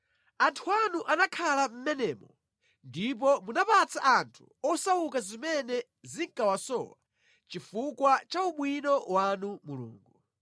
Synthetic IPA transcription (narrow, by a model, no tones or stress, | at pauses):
antʰuanuʔanakʰalam̩mɛnɛːmɔ | ndip̬ɔmunapat͡sʰaʔantʰu̥ɔsawukazimɛnɛ | ziŋkawasɔ̰wa | t͡ʃifukwat͡ʃauɓwinɔwanumulṵːŋɡu